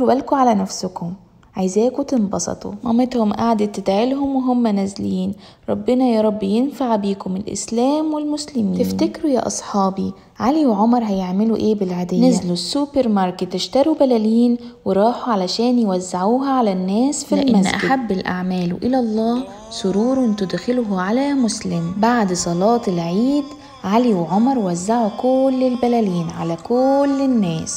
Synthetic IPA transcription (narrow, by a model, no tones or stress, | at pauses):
bælkuʕalænæfsʊkʊm | ʕajzæːkut̪ɪnbɑsˤɑ̰t̪ˤo̰mæmet̪hʊmʔaʕd̪et̪ɪd̪ʕelɦʊmweɦomːænæzliːn | ɾˤɑbːɪnɑjæːɾˤɑbːjenfaʕbiːkomɪlʔɪ̰slæːmwelmʊslɪmiːɪnfnækɾujæ̰ʔɑsˤħɑːbi | ʕaliweʕomɑɾˤɦæjeʕmɪluʔeːbɪlʕad̪æːnezlusːupeɾmɑɾˤket̪ːɪʃt̪ɑɾˤubælæliːnweɾˤɑːħuʕalæʃæːnjwæzːaʕuːɦæʕalænːæːsfilmæzʔaɡɪdħabːɪlʔa̰ʕmæːlwʔɪlælˤːɑː | sˤʊɾuːɾˤʔɪnt̪ʊd̪xɪlɦʕalæmʊslɪmbaʕd̪sˤɑlɑːt̪ɪlʕiːd̪ | ʕaliwʕomɑɾˤwazːaʕukʊlːɪlbælæliːnʕalækʊlːɪnːæːs